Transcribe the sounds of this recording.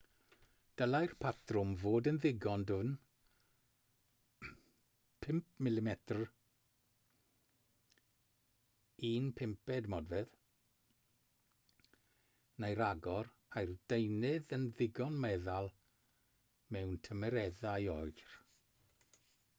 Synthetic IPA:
d̥əlajrpʰatʰrʊmvoːdənðɪɡɔndʊn | pʰɪmp̚ʰmɪlɪmɛtʰr | iːnpʰɪmpɛdmɔdvɛð | najɾaɡɔɾ | ajrd̥ejnɪðənðɪɡɔnmɛðalˠ | mɛwntʰəmɛɾɛðajɔɨr

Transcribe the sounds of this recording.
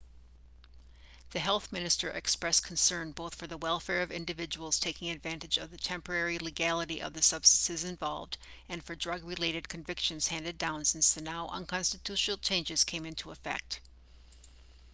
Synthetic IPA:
ðɨɦɛlˠθmɪ̃nɨstə˞ʔɨkspɹɛskʰn̩sɜ̃˞nboʊθfə˞ðəwɛlˠfɛɹʌvɪ̰̃ndɨvɪd͡ʒəwl̩ˠz̥tʰeɪkɪ̃ŋɨdvæ̃ntɨd͡ʒʌvðɨtʰɛ̃mpə˞ɛɹiliɡælˠəɾiʔʌ̰vðɨsʌb̥stɨn̩sɨzɨ̃ɱvɑ̰lˠvdɨ̃nfə˞dɹʌɡɹɨleɪɾɨd̚kʰɨ̃ɱvɪkʃɨ̃nz̥hæ̃ndɨdãʊ̃nsɪ̃nsðɨnaʊʔə̰̃nkʰɑ̃nstɨtʰʉʃn̩l̩ˠt͡ʃʰẽɪ̃nd͡ʒɨz̥kʰẽɪ̃mɪ̃ntʰuəfɛ̰k̚t

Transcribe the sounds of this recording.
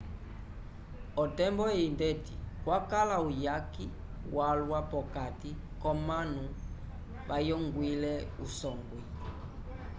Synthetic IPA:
ɔtɛmbɔɛindɛtikwakalaujaki | walwapɔkati | kɔmanu | βajɔŋɡwilɛusɔŋɡwi

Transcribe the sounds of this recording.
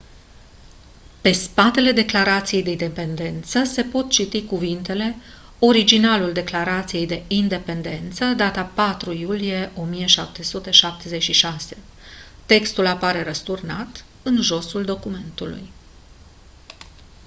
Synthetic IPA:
pe̞spat̪e̞le̞d̪e̞klaɾat̪sije̞jd̪e̞id̪e̞pe̞nd̪e̞nt̪səse̞po̞t̪̚t͡ʃit̪ikuvint̪e̞le̞ | o̞ɾid͡ʒinaluld̪e̞klaɾat̪sije̞jd̪e̞ind̪e̞pe̞nd̪e̞nt̪səd̪at̪apat̪ɾujulije̞ʔo̞mije̞ʃap̚t̪e̞sut̪e̞ʃap̚t̪e̞ze̞t͡ʃʃiʃase̞ | t̪e̞kst̪ulapaɾe̞ɾəst̪urnat̪ | ɨnʒo̞suld̪o̞kume̞nt̪ulṵj

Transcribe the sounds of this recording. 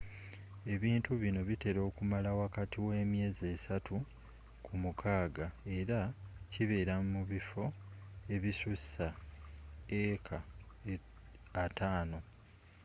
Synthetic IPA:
e̞βiːntuβino̞βite̞ɾo̞ːkumalawakatiwe̞ːmje̞ːze̞ːsatu | kʰumukʰaːɡae̞ɾaciβe̞ːɾamuβifo̞e̞βisussa | ekʰa | ataːno̞

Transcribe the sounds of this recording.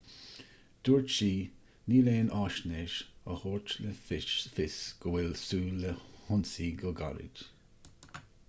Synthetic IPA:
d̪̥uːɹt͡ʃiː | niːleːnʔaːʃneʃəhoːɹt͡ʃləfɪʃfɪsɡ̥əwɪlsuːləhʊnsiːɡɔɡa̰ɾɪ̰d

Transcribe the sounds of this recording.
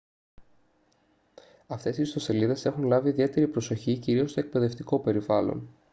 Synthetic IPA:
ɐft̪e̞sist̪o̞se̞liðe̞se̞xunlɐviːðie̞t̪e̞ɾipɾo̞so̞çiciɾio̞st̪o̞ek̚pe̞ðe̞ft̪iko̞pe̞ɾivɐlo̞̰n

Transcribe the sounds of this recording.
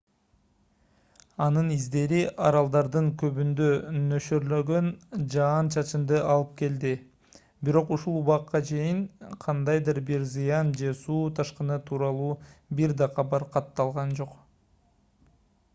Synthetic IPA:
ɑnɯnizd̪e̞ɾiʔɑɾɑlˠd̪ɑɾd̪ɯŋkø̞βynd̪ø̞nø̞ʃøɾlø̞ɡø̞nd͡ʒɑːnt͡ʃʰɑt͡ʃɯnd̪ɯʔɑlˠɯp̚ke̞ld̪i | biɾo̞quʃulˠuβɑqːɑt͡ʃʰe̞jiŋqʰɑnd̪ɑjd̪ɯɾbiɾzɯjɑnd͡ʒe̞suːt̪ʰɑʃqɯnɯt̪ʰuːɾɑlˠuːbiɾd̪ɑqɑbɑɾqʰɑt̪ːɑlˠʁɑnd͡ʒo̞q

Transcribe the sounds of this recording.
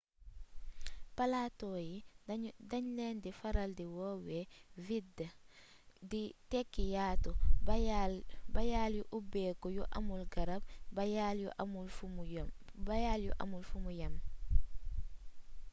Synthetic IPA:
palaːtɔːjidɐɲlɛːndifaɾaldiwɔːwevid | ditɛkːijaːtɔb | bajaːljuʔubɛːkɔjuʔa̰mulɡɐɾab̚bajaːljṵʔamul | bajaːljuʔa̰mulfumujɐm

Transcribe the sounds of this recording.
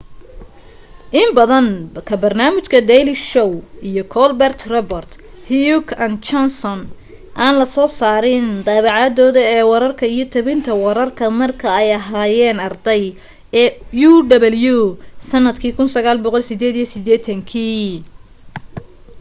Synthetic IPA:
ʔɪmbɐðɐnkʰɐbɐrnaːmɪt͡ʃkʰɐd̪ɛjlɪʃɔwijɔkʰɔlbɛrt̪ʰrɔbɐrt̪ | hijukɐnt͡ʃɔnsɔn | ʔaːnlɐsɔːsaːɾɪnd̪ɑβɑʕɑd̪ɔːðɐɛːwɐɾɐrkʰɐijɞt̪ʰɐβɪnt̪ʰɐwɐɾɐrkʰɐmɐrkʰɐɛjɐɦaːjɛːnɐrd̪ɛj | ɛːjuɖɐβɛljusɐnːɐd̪kʰiːkʰʊnsɐɣaːlbɔqɔlsɪd̪ɛːd̪ijɔsɪd̪ɛːt̪ʰɐŋkʰiː

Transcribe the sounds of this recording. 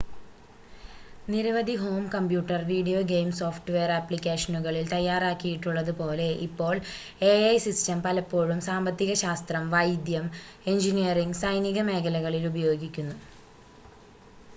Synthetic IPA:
niɾɐʋɐd̪ʱiɦo̞ːmkɐmpjuːʈːɐrʋiːɽijo̞ːɡejmso̞ːfʈuʋe̞ːɐrɐpːlikʲːeːʂɐnuɣɐɭilt̪ɐjːaːraːkːijiʈːuɭːɐðupo̞ːle̞ʔipːo̞ːɭ | eɐjsistɐmpɐlɐpːo̞ːɻumsaːmbɐt̪ːiɣɐɕaːst̪rɐmʋɐjd̪jɐme̞nd͡ʑinijɐriŋɡsɐjniɣɐme̞ːkʰɐlɐɣɐɭilubɐjo̞ːɡikʲːunːu

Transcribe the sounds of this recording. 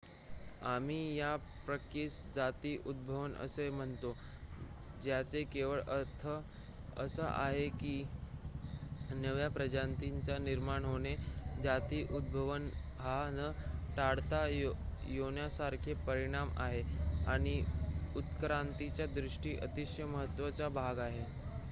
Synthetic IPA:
amiːjapɾəkisd͡zat̪iːʔud̪̚bʱəʋənə̰sem̤əɳt̪o | d͡ʑjat͡sekeʋəɭəɾt̪ʰə | ə̰səʔa̰ɦekiː | nəʋjapɾəd͡ʑant̪iɲt͡saniɾmaɳɦoɽ̃ed͡zat̪iːʔud̪̚bʱəʋən | ɦanəʈaɽt̪ajjoɳjasaɾkʰepəɾiɽ̃ama̰ɦeaɽ̃iut̪kɾant̪it͡ɕjad̪ɾiʂʈiːʔət̪iɕjəməɦət̪ːʋət͡sabʱaɡaɦe

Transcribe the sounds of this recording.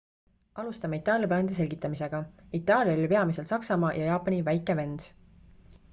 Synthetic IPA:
ɑlust̪ɑmeit̪ːˑɑːljɑplɑːnd̪̥ise̞lʲɡ̥it̪ːˑɑmise̞ɡ̥ɑit̪ːˑɑːlʲjɑylʲːpe̞ɑmise̞lsɑksɑmɑːjʔɑjɑːpːˑɑnʲivæjkːˑeve̞nd̪̥

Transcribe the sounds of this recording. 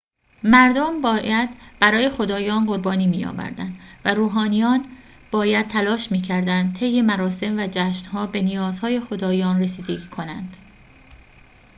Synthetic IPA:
mæɾd̪ombɒːjæd̪̥b̥æɾɒːje̞xo̞d̪ɒːjɒːnɢo̞ɾbɒːniːmiːjɒ̰ːvæ̰ɾd̪æ̰nd̪væɾuːɦɒːnijɒːn | b̥ɒːjæd̪̥̚t̪ʰːælɒːʃmiːcʰæɾd̪ænd̪̚t̪ʰe̞jːe̞mæɾɒːse̞mvæd͡ʒæːʃnhɒːbe̞nijɒːzhɒːje̞xo̞d̪ɒːjɒːnresiːd̪e̞ɟiːkʰo̞nænd̪̥

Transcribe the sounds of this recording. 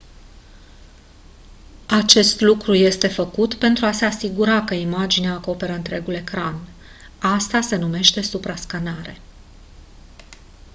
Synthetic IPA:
at͡ʃe̞st̪lukɾuje̞st̪e̞fəkut̪pe̞nt̪ɾuase̞asiɡuɾakəimad͡ʒineaːko̞pe̞ɾəɨnt̪ɾe̞ɡule̞kɾan | ast̪ase̞nume̞ʃt̪e̞supɾaskanaɾe̞̰

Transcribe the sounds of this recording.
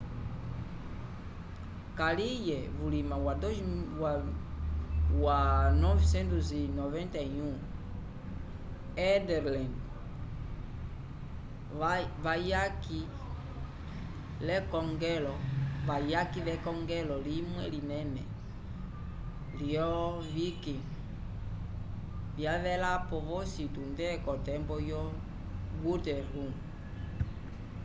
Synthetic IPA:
kalijɛβulimãwad̪ɔa | wanɔvisɛ̃nt̪uzinɔvɛ̃nt̪aiũ | ɛdɛɾlɛ̃nd | avajaki | lɛkɔŋɡɛlɔβajakiβɛkɔŋɡɛlɔlimwɛlinɛmɛ | liɔ | βiki | βjaβɛlapɔβɔsitundɛkɔtɛmbɔjɔ | ɡutɛɾum

